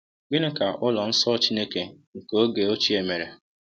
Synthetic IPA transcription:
ɡɪ˦ne˦ka˨ʔʊ˦lɔ˨n̩˦sɔ˦t͡ʃi˦ne˦ke˦ŋ̩˨ko˦ɡe˨o˦t͡ʃi˦e˨me˨ɾe˨

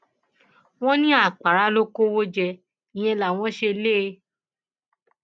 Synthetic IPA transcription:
w̃ɔ̃˦nĩ˦a˦˨k͡pa˨ɾa˨˦lo˦ko˦wo˦d͡ʒɛ˧ | ĩ˨j̃ɛ̃˧la˨w̃ɔ̃˦ʃe˧le˦˧˦

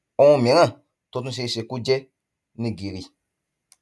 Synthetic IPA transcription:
ũ˦m˨ɛ̃˨ŋã˦˨ | to˧tũ˦˧s̬e˧se˨ku˦d͡ʒɛ˦ | nĩ˨ɡe˨ɾi˨

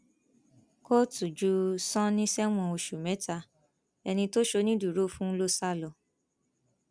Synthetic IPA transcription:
ko˦tu˨d͡ʒu˨˦sɔ̃˦nĩ˦sɛ˦w̃ɔ̃˧o˧ʃu˨mɛ˨˦ta˧ | ɛ˧nĩ˧to˦ʃo˧nĩ˦du˨ɾo˦fũ˦lo˦sa˦lɔ˧˨

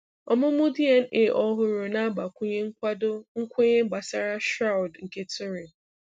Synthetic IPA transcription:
ɔ˨mʊ˦mʊ˦di˦e˨n̩˦e˨ʔɔ˦ɦʊ˦ɾʊ˨na˦ba˨kʷʊ˦ɲe˦ŋ̩˦kʷa˦dʊ˦ŋ̩˦kʷe˦ɲe˦ɡ͡ba˨sa˦ɾa˦ʃɾa˦wʊ˨dŋ̩˨ke˦tʊ˦ɾi˨

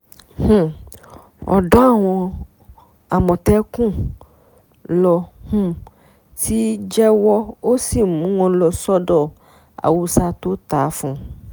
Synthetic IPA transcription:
h̩˨ | ɔ̰˨ɖɔ̃˦a˦˨w̃ɔ̃˧ | a˨mɔ̃˨t̪ɛ˦kũ˦ | lɔ˧hũ˦ | ti˦d͡ʒɛ˦wɔ˦o˦si˦˨mũ˨˦wɔ̃˧lɔ˨sɔ˦ɖɔ˦˨ | a̰˨wu˧sa˧t̪o˦t̪a˨˦fũ˨˧

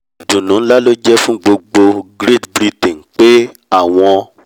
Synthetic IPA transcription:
dũ˨nũ˨˦la˦lo˦d͡ʒɛ˦fũ˦ɡ͡bo˧ɡ͡bo˧ɡɾe˦˨tbɾi˦tĩ˨ŋ˨k͡pe˦ | a˦˨w̃ɔ̃˧

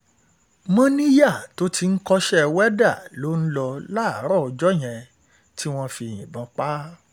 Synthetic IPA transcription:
mã˦nĩ˦ja˦˨to˨˦tʰi˧n̩˦kɔ˧ʃɛ˦˧wɛ˦da˦˨lo˨˦n̩˦lɔ˧la˦˨˦ɾɔ˦ɔ˧d͡ʒɔ˦j̃ɛ̃˧ | tʰi˦w̃ɔ̃˧fĩ˧˨ḭ̃˨bã˨˧˦k͡pa˦

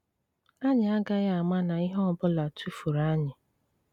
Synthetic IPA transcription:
a˦ɲɪ˨a˦ɡa˦ja˦a˨ma˦na˨i˦ɦɔ˦ɔ˨bʊ˦la˨tʰu˦fu˨ɾa˦ɲɪ˨

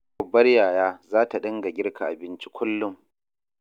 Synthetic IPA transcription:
bːɐ˦rjaː˨jaː˦zaː˦ta˨ɗɐ˦ŋɡa˨ɡʲɪ˦rkʰa˨ʔa˨bɪ˦nt͡ʃi̥˦kʷʰʊ˦lːʊ˦m

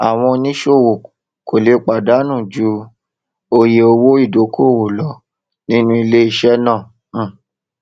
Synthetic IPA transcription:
a˨w̃ɔ̃˧nĩ˦ʃo˦˨wo˨ | ko˨le˨˦k͡pa˨da˨˦nũ˦˨d͡ʒu˧ | o˧je˧o˧wo˦i˦˨do˨˦kʰo˦˨wo˨lɔ˨˦ | nĩ˦nũ˧i˧le˦i˧ʃɛ˦nãː˦˨˦

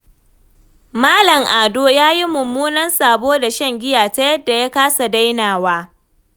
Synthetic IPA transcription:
maː˦lɐ˨ŋʔaː˨doː˦jaː˦ji˦mʊ˨mːuː˦nɐ˦nsaː˨boː˦da˨ʃɐ˦ŋɡʲɪ˦jaː˨ta˦jɐ˦dːa˨ja˦kaː˦sa˨da˦jnaː˨waː˦

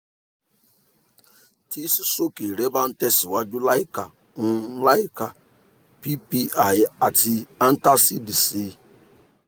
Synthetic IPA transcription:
tʰi˦si˦so˦ki˨ɾe˦ba˦n̩˦tɛ˦si˨wa˦d͡ʒu˦la˦i˦ka˨˦ | la˦i˦ka˨ | pi˦pi˦a˨ja˨ti˦a˦n̩˦ta˦si˦di˨si˦

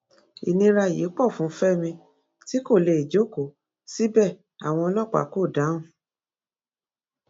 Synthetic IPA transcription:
ḭ˨nĩ˧ɾa˧˨jḛ˨˦k͡pɔ˦˨fũ˨˦fɛ˦mĩ˧ | ti˦ko˦˨le˧˨i˨d͡ʒo˦˨ko˨˦ | si˦bɛ˦˨ | a̰˨w̃ɔ̃˧ɔ˧lɔ˦˨k͡pa̰˨˦ko˦˨dã˨˦ũ˦˨

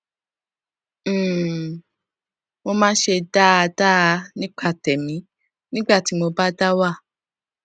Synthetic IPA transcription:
mo˧mãː˦ʃe˧da˦a˧da˦˧˦nĩ˦k͡pa˦˨tɛ˨mĩ˨˦ | nĩ˦ɡ͡ba˦˨ti˨˦mo˧ba˦da˦wa˦˨

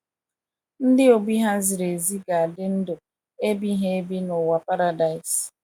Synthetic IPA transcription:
n̩˦dɪ˦o˨bi˦ɦa˦zɪ˨ɾe˨zi˦ɡa˨a˨dɪ˦n̩˦dʊ˨ | e˦bi˦ɦe˦e˦bi˦nʊ˨wa˨pa˦ɾa˨da˨ɪ˨s

